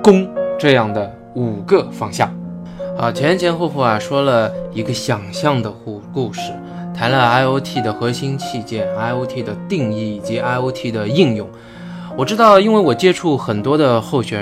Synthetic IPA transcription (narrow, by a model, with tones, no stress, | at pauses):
kʊ˥ŋʈ͡ʂɤ˥˧jɑ˥˩ŋd̪ə˩ | u˨˩ɡə˥˧fɑ˥ŋɕjɑ̰˥˩ŋ | a˧˥˧t͡ɕʰɛ˥ɛ˥nt͡ɕʰjɛ˧˥nxo˥˧ʊxɔ˥˩ɐ˨˩ʂwɔ˥lə˨i˧˥ɡə˧ɕjɑ˨˩ŋɕjɑ˥˩ŋd̪ə˩˧ku˥˧ʂɻ̩˥˩ | t̪ʰa˧˥nlə˧a˥˩ɪo˧˥ʊt̪ʰi˥˩d̪ə˩xɤ˧˥ɕi˥nt͡ɕʰi˥˧t͡ɕjɛ˥˩na˥˩ɪo˧˥ʊt̪ʰi˥˩d̪ə˩t̪i˥˧ŋi˥˩i˨˩t͡ɕi˧˥ʔa˥˩ɪo˧˥ʊt̪ʰi˥˩d̪ə˩i˥˧ŋjʊ˥˩ŋ | wɔ˨˩ʈ͡ʂɻ̩˥t̪ɑ˥˩ʊi˥nwe˥˩ɪwɔ˨˩t͡ɕjɛ˥ʈ͡ʂʰu˥˩xə˨˩nt̪wɔ˥d̪ə˧xo˥˩ʊɕɥɛ˨˩˥